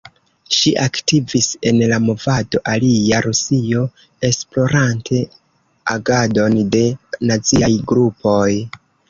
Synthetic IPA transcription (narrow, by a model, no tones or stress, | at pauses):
ʃiʔaktivise̞nlamo̞vado̞ʔaliaɾusio̞ | e̞splo̞ɾantʰe̞ | aɡado̞nde̞nat͡siajɡɾupʰo̞j